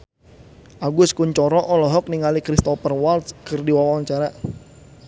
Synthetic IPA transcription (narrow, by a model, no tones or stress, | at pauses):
ʔaɡʊskuɲt͡ʃɔɾɔʔɔlɔɦɔk̚niŋalikɾist̪ɔpərwalt̪kərdiwawawaɲt͡ʃaɾa